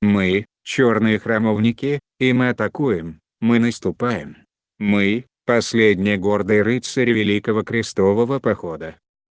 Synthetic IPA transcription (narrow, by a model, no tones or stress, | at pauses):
mɨ | t͡ɕo̞rnɨjəxɾɐmovnʲɪkʲɪ | imɨɐt̪ɐkujɪmː | ɨnəst̪ʊpajɪm | mɨ | pɐsʲlʲedʲnʲɪjəɡo̞rd̪əjɾɨt̪sɨɾʲɪvʲɪlʲikəvəkɾʲɪst̪o̞vəvəpɐxo̞d̪ə